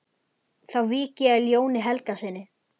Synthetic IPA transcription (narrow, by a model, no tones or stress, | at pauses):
θawviːcɪljoːwnɪɦɛlkasɪnːɪ